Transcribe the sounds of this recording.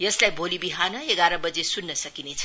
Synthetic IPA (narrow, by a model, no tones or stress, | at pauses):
jʌslajbʱolibiɦanʌeɡaɾʌbʌd͡zesunːʌsʌkinet͡sʰʌ